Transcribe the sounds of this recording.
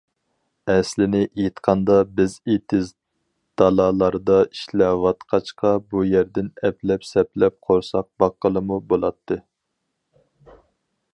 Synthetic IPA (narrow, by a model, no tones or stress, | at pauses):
ɛslɪnɪʔet̪qʰɑnd̪ɑbɪzet̪ʰɪz | d̪̥ɑlˠɑlˠɑɾd̪ɑi̥ʃlæwɑt̪qʰɑt͡ʃqʰɑbujæɾd̪ɪnɛplɛpsɛplɛp̚qʰoɾsɑq̚bɑqːəlˠɨmubolˠɑt̪ʰːɨ